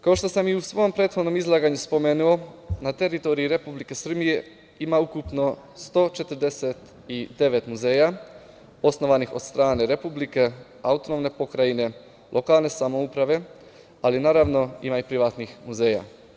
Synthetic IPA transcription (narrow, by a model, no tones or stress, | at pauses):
kaoʃt̪o̞samiusʋo̞mpɾe̞ːt̪xodno̞mizlˠaːɡaɲuspo̞me̞ːnuo̞nat̪e̞ɾit̪o̞ɾiiɾe̞publike̞sr̩bije̞ | imaukupno̞ | st̪o̞t͡ʃe̞t̪ɾd̪e̞se̞t̪ | id̪e̞ʋe̞t̪muze̞ːja | o̞sno̞ʋanixo̞̰d̪st̪ɾaːne̞ɾe̞publike̞ | aut̪ono̞mne̞po̞kɾaine̞ | lʔo̞kaːlˠne̞samo̞upɾaʋe̞ | alinaːɾaʋno̞imaipɾiʋat̪nixmuze̞ːja̰